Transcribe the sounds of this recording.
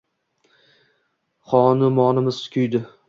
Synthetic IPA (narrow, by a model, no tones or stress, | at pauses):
χɒnɪmɒnɪmɪz̥skʲʰʊjd̪ɪ